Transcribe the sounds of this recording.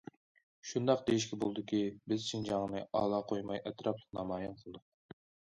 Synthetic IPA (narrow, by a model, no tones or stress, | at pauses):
ʃund̪ɑq̚d̪ejiʃkʲʰɛbolˠd̪ɨkʲʰibɪzt͡ʃʰind͡ʒɑŋnɨʔɑ̰ːlˠɑːqʰojmɑjʔɛt̪ɾɑplˠə̥qnɑmɑːjɪmqʰəlˠd̪ʊq̚